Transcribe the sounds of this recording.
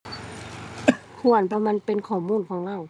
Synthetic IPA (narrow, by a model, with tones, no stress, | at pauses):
kʰu˧˩˨ə˨npʰɔ˧ma˧˨npe˧˨nkʰɔː˨˩muː˧˥˨nkʰɔː˨˦ŋla˧˥˨w